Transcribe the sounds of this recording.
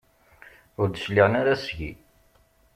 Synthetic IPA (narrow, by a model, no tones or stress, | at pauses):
ʊɾd̪əʃliʁənaɾasʝḭ